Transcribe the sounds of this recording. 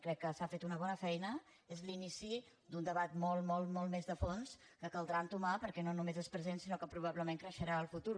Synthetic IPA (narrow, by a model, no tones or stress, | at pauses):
kɾɛkːəsafet̪unəβɔnəfɛjnə | ezlinisi | d̪und̪əβat̪molˠmolˠmolˠmezðəfons | kəkəlˠd̪ɾant̪umapəɾkɛnonumezespɾəzensinokəpɾuβ̞aβləmeŋkɾəʃəɾaəlˠfut̪uɾ